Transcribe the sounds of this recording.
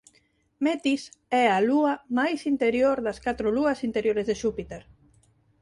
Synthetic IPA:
mɛt̪isɛaluɐmajsint̪eɾjoɾðɐskat̪ɾʊluɐsint̪eɾjoɾezðeʃupit̪eɾ

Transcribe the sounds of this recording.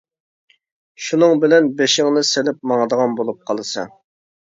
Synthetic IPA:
ʃunɨŋbɪlɛnbeʃɪŋnɨselɪp̚mɑŋəd̪əʁɑnbolˠup̚qʰɑlˠɨsɑ̰

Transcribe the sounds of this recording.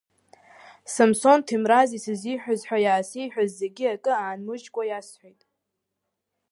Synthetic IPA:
samso̞ntʰimrazisɨziħʷᶣazħʷᶣajaːsijħʷᶣazːeɡʲiakʼɨaːnmɨd͡ʒɡʷʼajasħʷejtʼ

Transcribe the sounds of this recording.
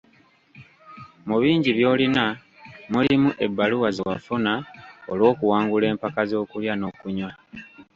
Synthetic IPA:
muβiːɲɟiβjo̞ːlina | mulimuʔe̞bːaluwaziwafunaolwo̞ːkuwaːŋɡule̞ːmpakazo̞ːkuljano̞kuɲwa

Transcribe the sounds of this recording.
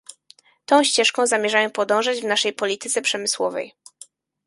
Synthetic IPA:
t̪ɔ̃w̃ɕt͡ɕɛʂkɔ̃w̃zamʲjɛʐajɔ̃w̃pɔd̪ɔ̃w̃ʐad͡ʑvnaʂɛjpɔlʲit̪ɘt̪sɛpʂɛmɘswɔvɛ̰j

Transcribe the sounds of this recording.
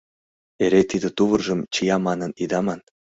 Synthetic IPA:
eɾet̪id̪ə̆t̪uβərʒəmt͡ɕijɑmɑnənid̪ɑmɑn

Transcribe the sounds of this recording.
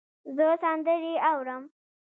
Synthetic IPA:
zəsand̪əɾiawɾəm

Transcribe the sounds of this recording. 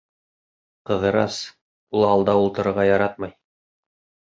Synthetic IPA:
qɤ̆ðɤ̆ɾɑs | ulˠɑlˠd̪ɑulˠt̪ɤ̆ɾɤ̆ɾʁɑjɑɾɑt̪̚mɤj

